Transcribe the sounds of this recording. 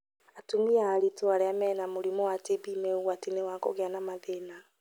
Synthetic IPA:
atumiaːɾitoaɾɛamɛːnamoɾimowatibimɛuwatinewakɔ̰ɣeanamaðena

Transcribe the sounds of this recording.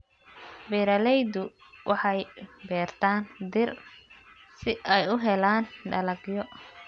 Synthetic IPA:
bɛɾɐlɛjd̪ʊ | wʔɑħɑjbɛːrt̪ʰaːnd̪ɪr | sɪʔɛjʊɦɛlaːnɖɐlɐɡjɔ

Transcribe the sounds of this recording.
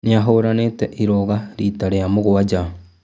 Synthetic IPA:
niaɦoɾaneteʔiɾoɣaɾitaɾejamoɣowad͡ʒa

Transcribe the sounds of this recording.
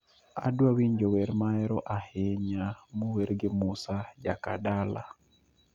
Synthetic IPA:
a̰dwawiɲd͡ʒɔwɛɾmaɛɾɔʔaheɲamuwɛɾɡɪmusad͡ʒakadala̰

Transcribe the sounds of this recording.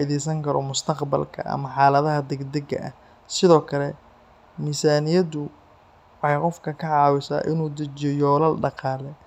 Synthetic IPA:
aɪðɛsɐŋkʰɐɾɔ̰mʊst̪ʰɐqbɐ̰lkʰɐ̰ʔɐ̰mɐħɑːlɐðɐɦɐd̪ɛɡd̪ɛɡɐ̰ʔɐ̰h | sɪðɔːkʰɐlɛ | misaːnɪjɐd̪ʊ | wħɑjqɔfkʰɐkʰɐʕɑːwɪsa̰ːʔɪnuːd̪ɐt͡ʃɔjɔːlɐlɖɑqɑːlɛ

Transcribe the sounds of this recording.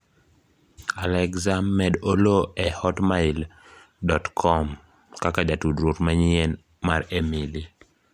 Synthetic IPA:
alɛkzammːɛdoloɛhɔtmaɪl | dɔtkʰɔm | kakad͡ʒatudɾotmaɲien | maɾemili

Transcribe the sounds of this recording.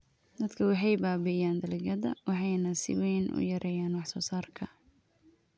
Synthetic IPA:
d̪ɐd̪kʰɐwɑħɑjbaːbɛjaːnd̪ɐlɛɡɐðɐ̰wɑħɑjnɐsɪ̰wɛjnʔʊ̰jɐɾʔɛːjaːnwɑħsɔːsaːrkʰɐ

